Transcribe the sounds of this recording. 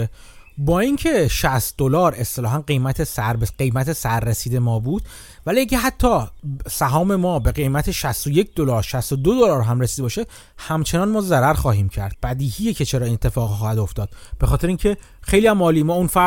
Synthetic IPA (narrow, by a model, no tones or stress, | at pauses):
bɒːiŋcʰe̞ʃæst̪d̪olɒːɾe̞st̪elɒːɦænɢejmæt̪ʰesæɾbeɢe̞jmæt̪ʰe̞sæɾːesiːd̪e̞mɒːbud̪̥ | væliæɟʲeɦæt̪ʰːɒːsæɦɒːme̞mɒːbe̞ɣe̞jmæt̪ʰeʃæst̪oje̞cʰd̪o̞lɒːɾʃæst̪od̪od̪olɒːɾɦæmresid̪ebɒːʃe | hæmt͡ʃʰe̞nɒːnmɒːzæɾæɾxɒːɦiːmcʰæɾd̪̥̚b̥æd̪iːhijecʰe̞t͡ʃʰeɾɒːenet̪ʰːe̞fɒːɣxɒːhæd̪o̞ft̪ɒːd̪̥b̥e̞xɒːt̪ʰe̞ɾeiŋcʰe̞ | xejlijæmːɒːliːmɒːunfæ